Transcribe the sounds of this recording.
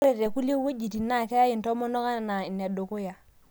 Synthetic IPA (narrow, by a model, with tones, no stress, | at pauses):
ɾe˨ɾe˨ku˦le˦wo˦d͡ʒi˨ti˨na˦˨ke˦ja˦ji˨nto˦mo˦no˦ka˦˨na˨i˨ne˨do˨ko˦ja˨